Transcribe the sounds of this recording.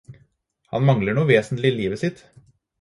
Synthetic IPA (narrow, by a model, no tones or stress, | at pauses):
hɑ̰nmɑŋləɳuːʋeːsnlɪliːʋəsɪt̪